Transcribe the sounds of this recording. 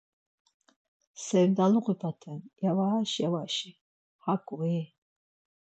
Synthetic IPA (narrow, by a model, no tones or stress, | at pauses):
sɛvd̪aluqʼipʰat̪ʰɛnjavaaʃjavaʃi | hakʼuɛ